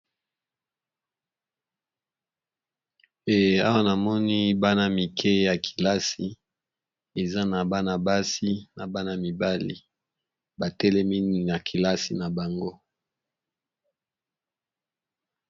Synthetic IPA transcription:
e˨a˦wa˦na˨mɔ˦ni˦ba˦na˦mi˨kʰɛ˦ja˨kʰi̥˨la˦si˦ | e˨za˦na˨ba˦na˨ba˦si˦na˨ba˦na˦mi˨ba˦lḭ˨ | ba˨tɛ˦lɛ˦mi˦ni˨na˨kʰi˨la˦si˨na˨ba˨ŋɡo˦

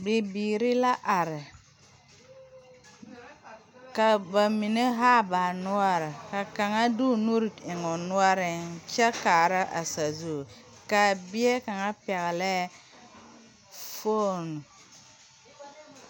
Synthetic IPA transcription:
bɪ˨biː˨ɾi˦la˦ʔa˨ɾɪ˨ | ka˨ba˨mi˨ne˦ɦaː˦ba˨nʊ˦a˦ɾɪ˨ka˨ka˨ŋa˦du˦nu˦ɾi˨ɪ˨ŋɔ˨nʊ˦a˦ɾɪ˨n˦t͡ʃɛ˦ka˨ɾa˦ʔa̰˨sa˨zu˦˨ | ka˨bɪ˦ɛ˦ka˨ŋa˦pɛ˨ɣlɛ˦ | fo˦nu˨

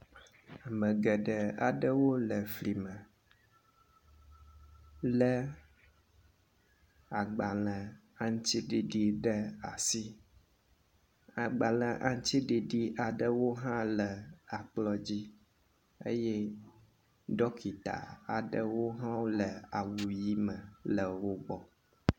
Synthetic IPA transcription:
a˨mə̃˨ɡɛ˨ɖɛ˨a̰˨ɖə˦wo˦lə˨fli˨mə˨ | lə˦ | a˨ɡ͡ba˨lə̃˨ | a˦ŋ˦t͡ɕi˦ɖi˨ɖi˨ɖə˦a˨si˦ | a˨ɡ͡ba˨lə̃˨ʔa˨ŋ˦t͡ʃi˦ɖi˨ɖi˦ʔa˨ɖə˦wo˦ɦã˦lə˨a˨k͡plɔ˦d͡ʑi˦ | ḛ˦jɛ˦ | ɖɔ˦kʰi˨t̪a̰˨a˨ɖə˦wo˦ɦã˦wo˦lə˨a˨wu˨ji˦mə˨lə˨wo˦ɡ͡bɔ˦

